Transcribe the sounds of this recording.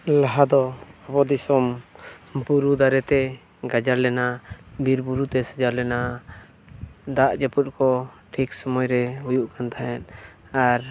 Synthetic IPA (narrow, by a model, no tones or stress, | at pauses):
laɦad̪ɔabɔd̪isɔm | buɾud̪aɾɛt̪ɛ | ɡad͡ʒaɾlɛnabʱiɾbuɾut̪ɛsɛd͡ʒaɾlɛna | d̪aʔd͡ʒɛput̪̚kɔʈʰiksɔmɔjɾɛɦujuʔkant̪ʰaɦɛn | aɾ